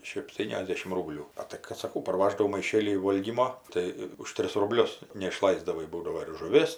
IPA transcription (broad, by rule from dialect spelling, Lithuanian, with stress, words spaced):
ʃʲɛpʲˈtʲiːnʲɛzʲˌdʲeːʃʲɪm ˈruːbʲlʲuː ˈɐ tɐɪ kɐt sɐˈkɐʊ pɐrˈʋɑːʒdɐʋoː mɐɪˈʃʲeːlʲiː ˈʋoːlʲɡʲiːmoː ˈtɐɪ ʊʃ ˈtʲrʲɪs rʊˈbʲlʲʊs nʲɛɪʃˈlˠɐɪzdɐʋɐɪ ˈbuːdɐʋoː ɪr ʒʊˈʋʲeːs